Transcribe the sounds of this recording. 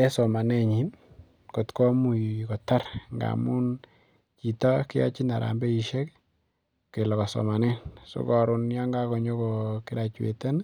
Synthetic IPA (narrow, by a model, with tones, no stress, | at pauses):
ɛ˦sɔ˨ma˨ne˦ɲi˨n | ko˨tkɔ˦mu˨kɔ˨ta˦ɾŋɡa̰˨mu˦n | t͡ʃi˨ta˦kɪ˦jɔ̰˦t͡ʃi˦na˨ɾa̰˨mbe˦i˨ʃe˦k | ke˨lɔ˨ka˨sɔ̰˨ma˨nɛ˦nsṵ˦kɔ˨ɾʊ˨nja˦ŋɡa˦kɔ˨ɲɔ˦kɔ˨ki˦ɾa˨t͡ʃwḛ˨te˦n